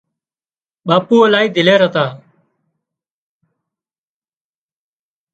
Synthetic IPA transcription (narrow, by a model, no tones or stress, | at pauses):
ɓaːpuːəlaːɦiːd̪ʱɪleːɾət̪aː